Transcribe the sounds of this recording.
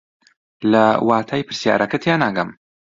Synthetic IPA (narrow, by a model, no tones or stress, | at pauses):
lɐwaːt̪ʰaːjpʰɨɾsja̰ːɾʔɐkɐt̪ʰjaːnaːɡɐm